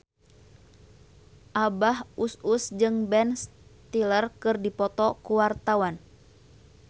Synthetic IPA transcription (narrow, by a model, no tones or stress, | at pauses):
ʔabahususd͡ʒɨŋbɛnst̪ilərkɨrdipɔt̪ɔkuwart̪awan